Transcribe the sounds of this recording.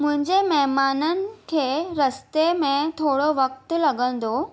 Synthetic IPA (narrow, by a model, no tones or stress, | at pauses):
mʊ̃ɦɪ̃ɲd͡ʑemɐɦmaːnənɪ̆kʰeːɾɐst̪emẽt̪ʰoːɽoʋɐk̚t̪lɐɡə̃nd̪o